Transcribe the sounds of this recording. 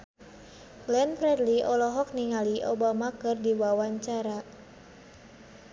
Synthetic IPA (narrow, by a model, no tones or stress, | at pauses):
ɡlɛnfɾɛdliʔɔlɔɦɔk̚niŋaliʔɔbamakɨrdiwawaɲt͡ʃaɾa